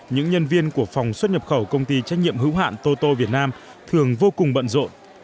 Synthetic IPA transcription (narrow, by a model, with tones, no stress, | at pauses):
ɲɨ̰˧˥ŋɲə˧nvi˧ənku˧˩əfa˨˩wŋ͡mswə˦˥t̚ɲə˨˩p̚xə˧˩wkə˧wŋ͡mt̪i˧t͡ɕa˦˥k̚ɲḭ˧˨əmɦɨ̰˧˥wɦa̰ː˧˨nt̪o˧t̪o˧vi˨˩ət̚naː˧m | t̪ʰɨ˨˩əŋvo˧kʊ˨˩ŋ͡mɓə̰˧˨nzo̰˧˨n